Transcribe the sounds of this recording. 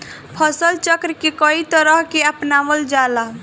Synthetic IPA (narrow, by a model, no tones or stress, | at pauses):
pʰəsəlt͡ʃəkɾkekɔit̪əɾəɦkeəpnaʋəld͡ʒala